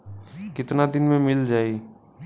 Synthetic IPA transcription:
kɪt̪nad̪ɪnmẽmɪld͡ʒaːeː

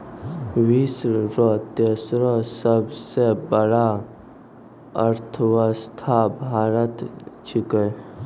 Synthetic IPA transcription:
ʋisɾot̪esɾosəbsebəɽa | əɾt̪ʰʋast̪ʰaːbɦaːɾət̪t͡ʃʰikəj

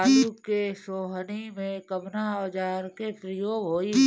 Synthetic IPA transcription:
ukesoːɦənimẽkəbnaɔd͡ʒaːɾkepɾɪjoːɡɦoːi

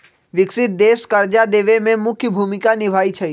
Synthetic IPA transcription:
ʋɪksɪt̪̚d̪eːskəɾd͡ʒad̪eːʋemẽmʊkʰjəbʱumɪkanɪbʱait͡ʃʰe

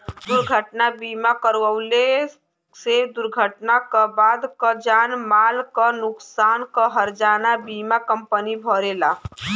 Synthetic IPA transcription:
d̪ʊɾɡʱəʈnabiːmakəɾwəwle | sed̪ʊɾɡʱəʈnakabaːd̪kəd͡ʒaːnmaːlkanʊksaːnkəɦəɾd͡ʒaːnabiːmakə̃mpənibʱɔːɾela

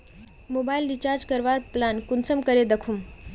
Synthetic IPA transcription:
mobajilɖit͡ɕaɾd͡ʑkəɾʋaɾplankunsəmkəɾed̪əkʰum

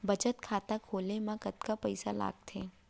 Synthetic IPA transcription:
bɐt͡ʃət̪kʰaːt̪akʰoːlemãkət̪kapɐɪsala̰ːɡ̚t̪ʰeː

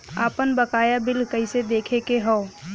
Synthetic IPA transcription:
a̰ːpənbəkaːjabɪlkəɪsed̪eːkʰekeɦɔ̃ː

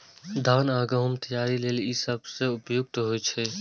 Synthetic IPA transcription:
d̪ʱaːnaːɡəɦəmt̪əjaːɾileːlisəbseʊpjʊk̚t̪ɦojt͡ʃʰɛ

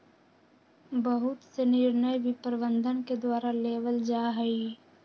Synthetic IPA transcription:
bəɦʊt̪senɪɾnəjbʱipəɾʋənd̪ʱənked̪waːɾaleːʋəld͡ʒaːɦɛiː

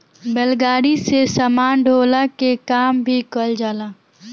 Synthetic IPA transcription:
bəlɡaːɾisesaːmaːnɖʱoːlakekaːmbʱikəld͡ʒaːlaː

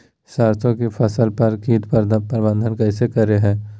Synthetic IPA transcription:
saːɾt̪ʰõkepʰɐsəlpɐɾkĩːt̪pəɾpɾbə̃nd̪ʱənkɛːɪsekɐɾeɦɛ̃ː

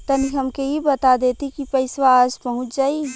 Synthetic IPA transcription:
t̪ɐniɦɐmkeɦibɐt̪ad̪eːt̪ikipɐɪswaːd͡ʒpɐɦʊ̃t͡ʃd͡ʒaːi

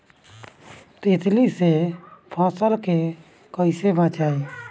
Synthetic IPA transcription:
t̪eːt̪ʰlisepʰɔ̃ːsəlke | kəisebãːt͡ʃaːe

